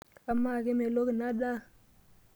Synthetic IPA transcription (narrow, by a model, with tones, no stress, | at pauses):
a˨ma˦˨ke˦me˨lo˦ki˨na˦ɗa˦